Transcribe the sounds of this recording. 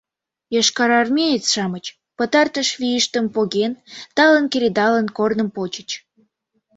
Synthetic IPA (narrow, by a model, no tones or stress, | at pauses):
jɑʃkɑɾɑrmʲejet͡sʃɑmət͡ɕ | pət̪ɑrt̪əʃβijəʃt̪əmpoɣent̪ɑlənkeɾʲed̪ɑlənkornəmpot͡ɕət͡ɕ